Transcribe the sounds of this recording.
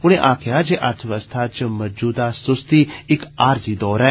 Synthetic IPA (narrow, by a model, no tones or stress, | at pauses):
ʊɽ̃ẽʔaːkʰɪjad͡ʒeːʔɐɾt̪ʰəʋəst̪ʰaːt͡ʃmɐd͡ʒuːd̪asʊst̪iɪkaːɾzid̪ɔːɾɛː